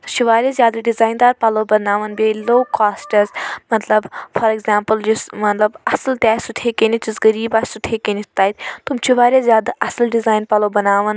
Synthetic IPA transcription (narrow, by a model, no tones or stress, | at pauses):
t̪ut͡ʃʰiʋaːɾʲjazʲjaːd̪ɐɖizaːjnd̪aːɾpaloːbɐnaːʋɐnbʲeloːkaːsʈɐzmɐt̪lɐbfɐɾeɡzaːmpəld͡ʒismɐt̪lɐbɐslt̪ʲaːsut̪ʰeːkenit̪usɡɐɾiːbaːssut̪ʰeːkenit̪aːit̪ʰʲt̪umt͡ʃʰiʋaːɾʲazʲjaːd̪ʔɐsɐlɖizaːjnpaloːbɐnaːʋɐn